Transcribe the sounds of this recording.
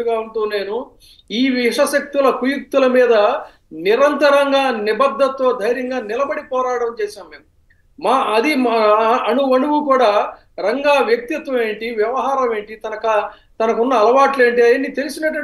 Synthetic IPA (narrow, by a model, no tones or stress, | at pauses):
uɡaːuɳʈuːne̞ːnu | iːʋiʂɐʃɐk̚t̪ulɐkujuk̚t̪ulɐmiːd̪ɐ | niɾɐnt̪ɐɾɐŋɡaːnibɐd̪ʱːɐt̪ːoːd̪ʱɐjɾjɐŋɡaːnɪlɐbɐɽipɔːɾaːɽɐmt͡ʃɛːʃaːmːe̞ːm | maːɐd̪imɐnuʋɐɳuɡukuːɽaː | ɾɐŋɡaːʋjɐk̚t̪it̪ʋɐme̞ːɳʈiʋjɐʋɐɦaːɾɐme̞ːɳʈit̪ɐnɐkɐ | t̪ɐnɐkunːɐːlɐʋaːʈle̞ːɳʈiɐjɐnːit̪elusinɐʈːɐ